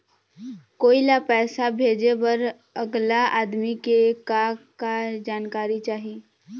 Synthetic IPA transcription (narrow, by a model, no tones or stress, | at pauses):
koːilapɛːsabʱeːd͡ʒebəɾ | əɡlaʔaːd̪mikekakad͡ʒaːnkaːɾit͡ʃaːɦi